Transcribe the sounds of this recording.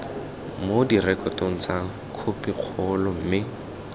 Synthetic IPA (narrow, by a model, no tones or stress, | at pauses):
modirɛkɔtoŋ̩t͡sa | kʰʊpɪq͡χʰɔlɔm̩mɪ